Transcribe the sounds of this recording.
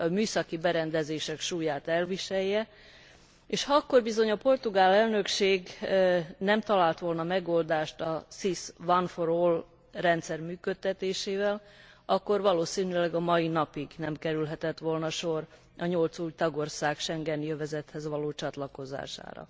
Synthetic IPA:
myːsɒkibɛɾɛnd̪ɛzeːʃɛkʃuːjaːt̪ɛlviʃɛjːɛ | eːʃhɒɒkːo̞rbizo̞ɲɒpo̞rt̪uɡaːlɛlnø̞kʃeːɡ | nɛmt̪ɒlaːlt̪ʋo̞lnɒmɛɡo̞ld̪aːʃt̪ɒsisʋɒnfoɾol | rɛnt̪sɛrmyːkøt̪ːɛt̪eːʃeːvɛl | ɒkːo̞rʋɒloːsinylɛɡɒmɒinɒpiɡnɛmkɛɾylɦɛt̪ɛt̪ʋo̞lnɒʃo̞r | ʔɒɲolt̪suːjt̪ɒɡo̞rsaːkʃɛŋɡɛnjøvɛzɛt̪hɛzʋɒloːt͡ʃɒt̪lɒko̞za̰ːʃa̰ːɾɒ̰

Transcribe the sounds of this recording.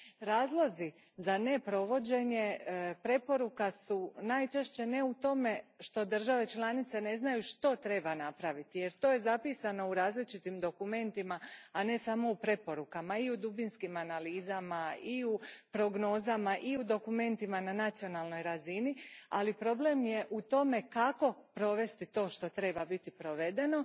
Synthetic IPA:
ɾaːzlˠo̞zi | zane̞pɾo̞ʋo̞d͡ʑe̞ɲe̞pɾe̞po̞ɾukasunajt͡ʃe̞ʃt͡ɕe̞ne̞ut̪o̞me̞ʃt̪o̞d̪ər̩ʒaʋe̞t͡ʃlˠanit̪se̞ne̞znajuʃt̪o̞t̪ɾe̞banapɾaʋit̪ije̞ɾt̪o̞je̞zapiːsano̞uɾaːzlit͡ʃit̪imd̪o̞kume̞nt̪imaːne̞saːmo̞upɾe̞po̞ɾukamaiud̪ubinskimanaliːzamaiupɾo̞ɡno̞ːzamaʔiud̪o̞kume̞nt̪imananat̪sijo̞naːlˠno̞jɾazinia̰lipɾo̞ble̞mje̞ʔut̪o̞me̞kako̞pɾo̞ʋe̞st̪it̪o̞ːʃt̪o̞t̪ɾe̞babit̪ipɾo̞ʋe̞d̪e̞no̞

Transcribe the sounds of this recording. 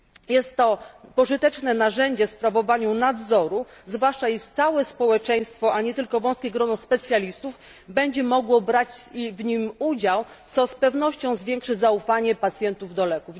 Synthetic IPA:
jɛst̪ːɔpɔʐɘt̪ɛt͡ʂnɛnaʐɛɲd͡ʑɛfspɾavɔvaɲunad̪zɔɾuzvwaʂt͡ʂaiʂt̪sawɛspɔwɛt͡ʂɛj̃st̪fɔʔaɲɛt̪ɘlkɔvɔ̃w̃skʲeɡɾɔnɔspɛt̪sʲjalʲist̪uf | bɛɲd͡ʑɛmɔɡwɔbɾat͡ɕivɲimud͡ʑaw | t̪sɔspɛvnɔɕt͡ɕɔ̃w̃zvʲjɛŋkʂɘzaufaɲɛpat̪sʲjɛnt̪uvd̪ɔlɛkuv

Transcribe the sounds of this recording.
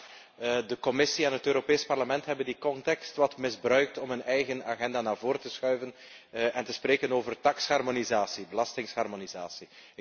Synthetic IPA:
dəkɔmɪsiɛnɦətøːɾopeːspɑrləmɛntɦɛbəndikɔntɛkstʋɑtmɪzbrœɥk̚tɔmɦɵnɛjɣənaːɣɛndaːnaːrvoːrtəsxœɥvən | ʔɛntəspreːkənoːvərdɑkshɑrmonizaːsibəlɑstɪŋshɑrmonizaːsi

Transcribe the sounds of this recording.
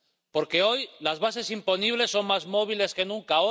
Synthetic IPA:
po̞ɾke̞o̞jlazβase̞simpo̞niβle̞sːo̞ŋmazmo̞βile̞ske̞nũŋkao

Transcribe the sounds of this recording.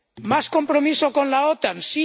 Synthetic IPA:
masko̞mpɾomisokonlaot̪ansi

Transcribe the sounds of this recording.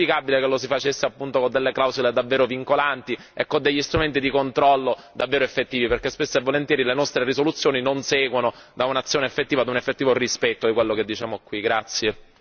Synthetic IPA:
ikabilekelːosifat͡ʃesːeapːunt̪okod̪elːeklawzuled̪avːeːɾoviŋkolant̪i | ɛkːod̪eʎːist̪ɾument̪id̪ikont̪ɾɔlːo | d̪avːeːɾoefːet̪ːiːviperkespesːoevːolent̪jɛːɾilenɔst̪ɾerisolut̪sːjoːninonsɛːɡwonod̪aunat̪sːjoːneefːet̪ːiːvad̪unefːet̪ːiːvorispɛt̪ːod̪ikwelːoked̪ːit͡ʃaːmokwiɡɾat̪sːje

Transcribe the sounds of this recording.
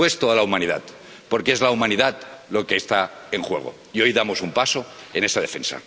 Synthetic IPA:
we̞st̪oalaumãnið̞a̰t̪ | po̞ɾkee̞zlaumãniðat̪̚lokeːst̪aeŋxwe̞̰ɣ̞o̞̰ | io̞jðamo̞sumpasoene̞sað̞e̞fe̞̰nsa̰

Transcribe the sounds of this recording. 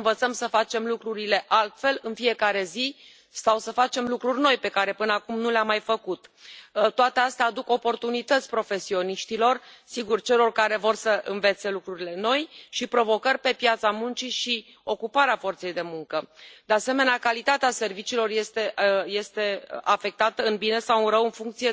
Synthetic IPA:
nvət̪səmsəfat͡ʃe̞mlukɾuɾile̞ʔalt̪fe̞lɨnfije̞kaɾe̞zi | sawsəfat͡ʃe̞mlukɾurʲno̞jpe̞kaɾe̞pɨnəakumnuleamːajfəkut̪t̪ːoat̪e̞ast̪eaːd̪uko̞po̞rt̪unit̪ət̪sʲpɾo̞fe̞sio̞niʃt̪ilo̞rsiɡurt͡ʃe̞lo̞rkaɾe̞vo̞rsəʔɨnve̞t̪se̞lukɾuɾile̞no̞jʃipɾo̞vo̞kərʲpe̞pjat̪samunt͡ʃiʃi | o̞kupaɾeafo̞rt̪se̞jd̪e̞muŋkəd̪̥ease̞me̞neakalit̪at̪ease̞rvit͡ʃiːlo̞rje̞st̪eje̞st̪e̞afe̞k̚t̪at̪əɨnbine̞sawɨnɾəwɨnfuŋkt̪sije

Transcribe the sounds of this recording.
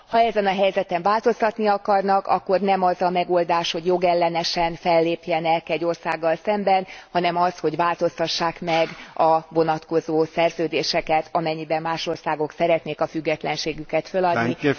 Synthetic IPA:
hɒɛzɛnɒɦɛjzɛt̪ɛɱvaːlt̪o̞st̪ɒt̪niɒkɒrnɒkɒ̰kːo̞rnɛmɒzɒmɛɡold̪aːʃho̞ɟjo̞ɡɛlːɛnɛʃɛnfɛlːeːpjɛnɛkɛɟːo̞rsaːɡːɒlsɛmbɛnhɒnɛmɒsho̞ɟʋaːlt̪o̞st̪ɒʃːaːkmɛɡɒvo̞nɒt̪ko̞zoːsɛrzøːd̪eːʃɛkɛt̪ɒmɛɲːibɛmːaːʃo̞rsaːɡo̞ksɛɾɛt̪neːkɒfyɡːɛt̪lɛnʃeːɡykɛt̪følɒd̪ni

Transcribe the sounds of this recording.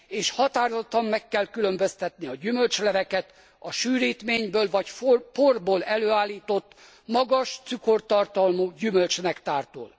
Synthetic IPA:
eːʃhɒt̪aːrozot̪ːɒmːɛkːɛlkylømbøst̪ɛt̪niɒɟymølt͡ʃlɛvɛkɛt̪ | ɒʃyːɾiːt̪meːɲbøːlvɒcfporboːlɛløːaːlːiːt̪o̞t̪ː | mɒɡɒʃt̪syko̞rt̪ɒrt̪ɒlmuːɟymølt͡ʃnɛkt̪aːrt̪o̰ːl

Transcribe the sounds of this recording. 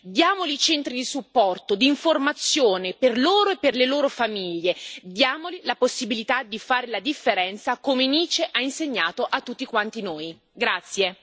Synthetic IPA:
d̪jaːmolit͡ʃɛnt̪ɾid̪isupːɔrt̪od̪iːɱformat̪sːjoːneperloːɾoepːerleloːɾofamiʎːed̪jaːmolilaposːibilit̪ad̪ifaːɾelad̪ifːeɾɛnt̪sakomeniːt͡ʃeʔainseɲːaːt̪oʔat̪ːut̪ːikwant̪inoːj | ɡɾat̪sːje

